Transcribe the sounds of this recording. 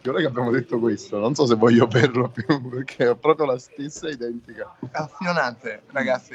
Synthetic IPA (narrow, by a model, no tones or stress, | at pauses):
iolɛjkeabːjaːmod̪et̪ːokwest̪ononsɔs̬evːɔjːoperlopjuperkʰeɛpːɾɔːpɾjolast̪esːaid̪ɛnt̪ikakasjonant̪eɾaɡat̪sːi